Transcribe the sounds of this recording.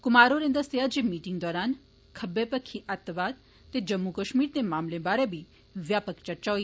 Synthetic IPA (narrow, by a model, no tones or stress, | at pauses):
kʊmaːɾoɾẽnd̪əst̪ejad͡ʒimiːʈiŋɡd̪ɔːɾaːn | kʰəbepəkʰːiʔat̪ʋaːd̪ | t̪ːed͡ʒəmːukəʃmiːɾt̪emaːmlẽbaːɾebʱi | ʋjaːpəkt͡ʃɐɾt͡ʃa